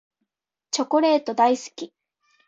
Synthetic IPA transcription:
t͡ɕo̞ko̞ɾe̞ːt̪o̞d̪aisɨ̥kʲi

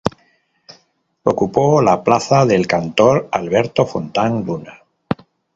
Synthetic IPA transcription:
okupolaplaθaðe̞lkant̪oɾalβe̞ɾt̪o̞font̪aŋluna

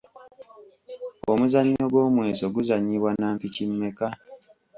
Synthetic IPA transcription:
o̰muzaɲːoɡwo̞ːmwe̞ːzo̞ɡuzaɲːiβwanaːmpicimːe̞ka

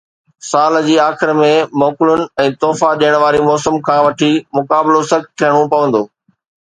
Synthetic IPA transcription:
saːld͡ʑiːaːxɪɾmẽmɔːkɪlʊnɪ̆ɛ̃ːt̪ɔːfaɗijəɽ̃ʋaːɾimɔːsəmkʰãːʋɐʈʰimʊkaːbɪlosɐkt̪ʰijəɽ̃opɐʋə̃nd̪oː

